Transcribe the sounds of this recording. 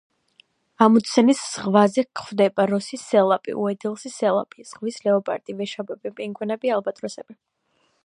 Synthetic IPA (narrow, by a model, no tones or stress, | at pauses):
amut̪sʰɛnisz̥ʁvazɛkχwvd̪ɛbaɾɔsisɛlˠapʼḭʔṵɛd̪ɛlˠsisɛlˠa̰pʼiz̥ʁvislɛɔpʼa̰ɾt̪ʼivɛʃabɛbɛmpʼiŋɡwɛnɛbialˠbat̪ʼɾɔsɛbi